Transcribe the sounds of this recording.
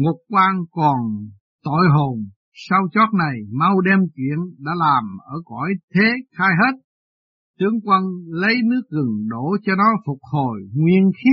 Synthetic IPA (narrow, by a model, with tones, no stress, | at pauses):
ŋo˨˩t̚kwaː˧ŋkɔ˨˩n | t̪o̰˧˨jɦo˨˩n | sa˧wt͡ɕɔ˦˥t̚na˨˩jma˧wɗɛ˧mkḭ˧˨ənɗa̰ː˧˥laː˨˩mʔəː˧˩kɔ˧˩jt̪ʰe˨˦xaː˧jɦe˦˥t̚ | t̪ɨ˧əŋkwə˧nlə˨˦jnɨ˦˥ək̚ɣɨ˨˩ŋɗo˧˩t͡ɕɔ˧nɔ˨˦fʊ˨˩t̚ho˨˩jŋwḭ˧ənxi˦˥